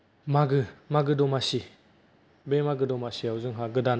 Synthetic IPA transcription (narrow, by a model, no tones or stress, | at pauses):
maɡɯmaɡɯdɔmasi | bemaɡɯdɔmasiawzɯŋɦaɡɯdan